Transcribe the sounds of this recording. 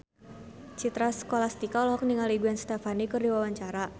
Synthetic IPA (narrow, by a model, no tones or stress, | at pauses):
t͡ʃit̪ɾasə̥kolast̪ikaɔlɔɦɔk̚niŋaliɡuanst̪ɛfanikɨrdiwawaɲt͡ʃaɾa